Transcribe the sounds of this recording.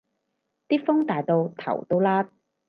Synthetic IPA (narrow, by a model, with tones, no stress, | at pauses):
t̪iː˥fʊ˥ŋt̪aː˨jt̪o˧wt̪ʰɐ̰˨˩wt̪o˧wlaː˥t̪̚